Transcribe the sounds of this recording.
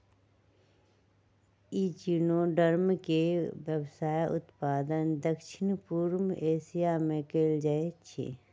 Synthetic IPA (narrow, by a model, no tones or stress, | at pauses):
iːt͡ʃinõɖəɾmkeʋjəbsaːjʔʊ̰t̪paːd̪ənd̪əkʃɪnpuɾmeːsijamẽkeːld͡ʒaet͡ʃʰḭ